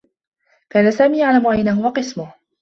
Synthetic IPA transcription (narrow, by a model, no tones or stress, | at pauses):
kaːnasaːmiːjaʕlamʊʔajnahʊwaqɨsmʊh